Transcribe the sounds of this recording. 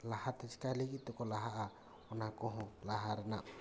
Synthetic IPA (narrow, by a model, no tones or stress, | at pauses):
lahat̪ɛt͡ʃkalikit̪̚t̪ɔkɔlaɦaʔa | ɔnakɔɦɔ̃laɦaɾɛna